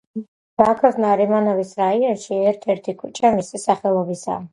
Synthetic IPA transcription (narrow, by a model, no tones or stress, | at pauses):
b̥akʰɔvnaɾɛmanɔvisɾaiɔnʃiɛɾt̪ʰɛɾt̪ʰikʰut͡ʃʼʰamisisaχɛlˠɔbisa̰